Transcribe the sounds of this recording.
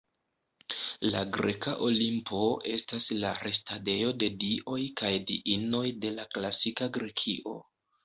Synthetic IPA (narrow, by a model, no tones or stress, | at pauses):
laɡɾe̞̰kaʔo̞limpʰo̞e̞stasla̰ɾe̞stade̞jo̞de̞diʔo̞jkajdḭʔino̞jde̞laklasikaɡɾe̞kʰiʔo̞